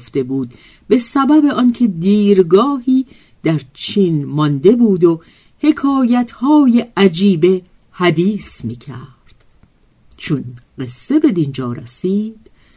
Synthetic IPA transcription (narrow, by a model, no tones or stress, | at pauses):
ft̪e̞buːd̪̚ | be̞sæbæbe̞ʔɒncʰe̞d̪iːɾɡɒːhiː | d̪æɾt͡ʃʰiːnmɒnd̪e̞buːd̪o | he̞kʰɒːjæt̪ʰhɒːjeæd͡ʒiːbe̞ | hæd̪iːsmiːcʰæɾd̪̥ | t͡ʃʰonɢe̞sːe̞be̞d̪ind͡ʒɒːɾæ̰siːd̪̥